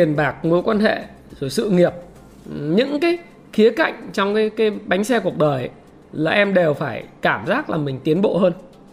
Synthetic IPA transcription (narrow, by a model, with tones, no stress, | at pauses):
ənɓaː˨˩k̚mo˨˦jkwaː˧nɦḛ˧˨ | zo˧˩jsɨ̰˧˨ŋi˨˩əp̚ | ɲɨ̰˧˥ŋkaː˨˦j | xi˨˦əka̰˧˨jŋ̟t͡ɕɔ˧wŋ͡mkaː˨˦jkaː˨˦jɓa˨˦jŋ̟sɛ˧ku˨˩ək̚ɗəː˨˩j | laː˨˩ʔɛ˧mɗe˨˩wfaː˧˩jkaː˧˩mzaː˦˥k̚laː˨˩mï˨˩ŋ̟t̪i˨˦ənɓo̰˧˨həː˧n